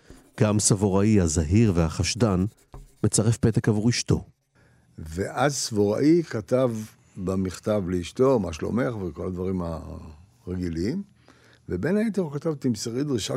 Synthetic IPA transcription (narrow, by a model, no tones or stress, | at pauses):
ɡ̥amsavo̞ʁaihazaɦiʁvehaχaʃdan | me̞t͡saʁefpet̪ekavuʁiʃto̞̰ | veʔazsvoʁa̰ʔikat̪av | bamiχt̪avleiʃt̪omaʃlo̞̰me̞χveko̞lad̪vaʁima̰ | ʁeɡiliim | vebenait̪eʁkat̪avt̪imseʁid̪ʁiʃa